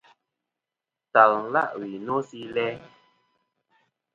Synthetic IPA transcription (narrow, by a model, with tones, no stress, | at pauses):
ta˨l̩˦la̰˦˨ʔwi˨no˦si˦lɛ˦